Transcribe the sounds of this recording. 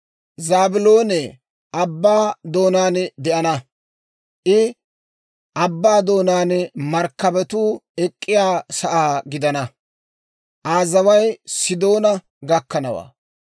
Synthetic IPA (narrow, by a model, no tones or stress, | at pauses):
zaːbɪlo̞ːne | ʔɐbːaːd̪o̞ːnaːnd̪ɛʔɐnɐ | ʔɪ | ʔɐbːaːd̪o̞ːnaːnmɐɾkːɐbɛt̪uːɛkʼːɪjaːsɐʔaːɡɪd̪ɐnɐ | ʔaːzɐwɐjsɪd̪o̞ːnɐ | ɡɐkːɐnɐwa̰ː